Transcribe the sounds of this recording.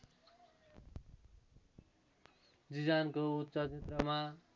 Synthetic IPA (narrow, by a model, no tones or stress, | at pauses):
d͡zid͡zankout̪sʌt͡sʰet̪rʌma